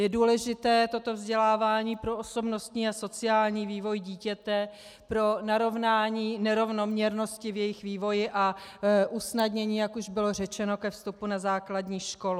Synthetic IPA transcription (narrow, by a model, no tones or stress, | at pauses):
jɛduːlɛʒɪt̪ɛːt̪o̞t̪o̞vzɟɛlaːvaːɲiːpɾo̞ʔoso̞bno̞st̪ɲiːaso̞t͡sɪaːlɲiːviːvo̞jɟiːcɛt̪ɛ | pɾo̞naɾo̞vnaːɲiːnɛɾo̞vno̞mɲɛɾno̞scɪvjɛjɪxviːvo̞jɪʔaʔusnadɲɛɲiːjakuʒbɪlo̞r̝ɛt͡ʃɛno̞kɛfst̪upunazaːkladɲiːʃko̞l